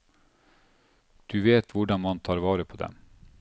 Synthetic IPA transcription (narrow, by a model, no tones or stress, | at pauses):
d̪̥ʉːʋeːt̪ʰʋʊɖɑnmɑnt̪ʰɑːɾʋɑːɾəpʰoːd̪ɛ̰m